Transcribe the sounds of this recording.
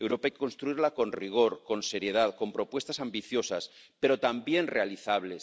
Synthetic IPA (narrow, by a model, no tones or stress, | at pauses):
ewɾo̞paajkeko̞nst̪ɾuiɾlako̞nriɣ̞o̞ɾko̞nse̞ɾje̞ð̞aðko̞mpɾo̞pwe̞st̪asambiθjo̞sas | pe̞ɾo̞t̪ambje̞nre̞aliθaβle̞s